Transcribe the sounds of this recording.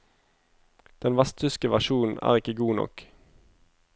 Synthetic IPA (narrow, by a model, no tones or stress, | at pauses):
d̪̥ɛnʋæst̪ʰʏskəʋæʁʃuːn̩æ̰ːʁɪkəɡuːnɔ̰k